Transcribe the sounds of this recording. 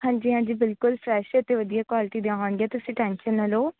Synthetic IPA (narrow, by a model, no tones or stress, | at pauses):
ɦãːɲd͡ʒiːɦãːɲd͡ʒiːbɪlkʊlfɾɛːʃət̪eːʋəd̪ijaːkwaːlɪʈiːd̪eãaːʋɳɡeaːt̪ʊsĩːʈɛ̃ːnʃənəloː